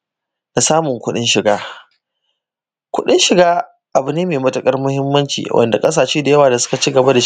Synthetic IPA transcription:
da˨saː˦mʊ˨ŋkʷʊ˦ɗɪ˦nʃɪ˨ɡaː˦ | kʷʊ˦ɗɪ̰˦nʃɪ˨ɡaː˦ | ʔa˨bʊ˨neː˦meː˨mɐ˦tɐ˨kʼɐ˦rmʊ˦hɪ˦mːɐ˦nt͡ʃḭː˨wʔɐ̰˨nda˨kʼɐ˦s̬aː˨ʃiː˦da˨jɐ˦waː˨da˨sʊ̥˦ka˨t͡ʃi˦ɡɐ˨ba˦da˨

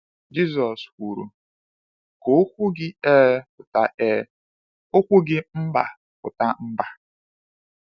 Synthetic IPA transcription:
d͡ʒi˦zɔ˨skʷu˨ɾṵ˨ | ko˨˦kʷʊ˦ɡɪ˦e˦pʊ˨ta˨ʔɛ˦ | o˦kʷʊ˦ɡɪ˦m̩˦ba̰˨ | pʊ̰˨ta˦m̩˦ba˨

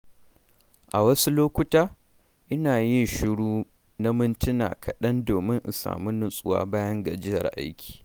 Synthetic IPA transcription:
ʔa˨wɐ˦su˦loː˦kʷʊ˦taː˦ | ʔɪ˦naː˨jɪ˦nʃɪ˦ɽuː˦ | na˦mɪ˦ntʊ˦na̰ː˨kʰɐ˨ɗɐ˦ndoː˨mɪ˦ŋʔʊ˨sa̰ː˨mu˦nʊ˦sʼʊ˦wa̰ː˦baː˦jɐ˦ŋɡa˨d͡ʒɪ˦jɐ̰˨rʔa̰˦jkʲʰi̥ː˨

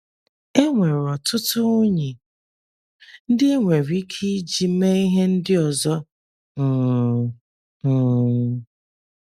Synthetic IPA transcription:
e˦ŋʷe˨ɾɔ˨tʊ˦tʊ˦ʊ˦ɲi˨ | n̩˦dɪ˦e˦ŋʷe˨ɾi˦kʰi˦d͡ʒi˨˦me˦i˦ɦe˦n̩˦dɪ˦ɔ˨zɔ˦ | m̩ː˨

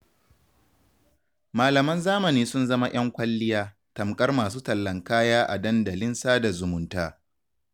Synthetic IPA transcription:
maː˨lɐ˨mɐ˦nzaː˦mɐ˨niː˦sʊ˦nzɐ˦ma˦j̰ɐ˦ŋkʷɐ˦lːɪ˦jaː˦ | tɐ˨mkʼɐ˦rmaː˨suː˦tɐ˨lːɐ˨ŋkaː˦jaː˦ʔa˨dɐ˦nda˨lɪ˦nsaː˦da˨zʊ˨mʊ˨ntaː˦

